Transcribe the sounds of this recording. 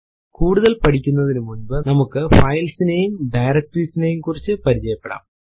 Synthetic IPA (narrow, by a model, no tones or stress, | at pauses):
kuːɽuðɐlpɐɽʰikʲːunːɐðinɨmunbɨnɐmukːɨfɐjlsineejumɖɐjɾɐk̚ʈriːsinejumkurit͡ɕːɨpɐɾit͡ɕɐjɐpːe̞ɽa̰ːm